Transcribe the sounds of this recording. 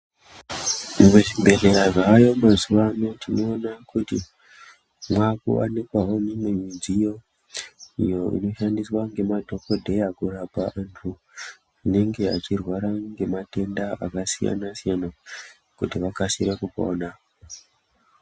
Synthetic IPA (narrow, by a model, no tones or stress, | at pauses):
mweʐimbe̞leaʐaːjo̞mazuʋanotʰino̞ːnakuti | mwakṵa̰nikwaɦo̞nemeɲid͡zijo̞ | ijo̞ḭno̞ʃandiswaŋɡe̞madʱo̞kodʱe̞jakuɾapaʔantʰu | ine̞ŋɡe̞at͡ʃirwaɾaŋɡe̞mate̞ndaakasija̰nasijana | kutiʋakasiɾakuko̰ːna